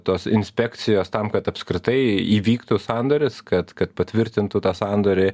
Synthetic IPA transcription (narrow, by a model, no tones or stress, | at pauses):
t̪oːsɪnʲsʲpʲɛk̪sʲɪjoːst̪ɐmkɐt̪ɐpskɾʲɪt̪ɐɪiːʋʲiːkt̪ʊsɑnd̪oːɾʲɪskɐt̪kɐt̪pɐt̪ʲʋʲɪɾʲt̪ʲɪnt̪ʊt̪ɑːsɑnd̪oːɾʲɪ